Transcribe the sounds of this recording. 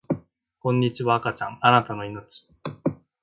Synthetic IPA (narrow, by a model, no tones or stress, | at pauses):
kõ̞ɲ̟ːit͡ɕiβaːkat͡ɕã̰ŋanat̪ano̞inot͡ɕi̥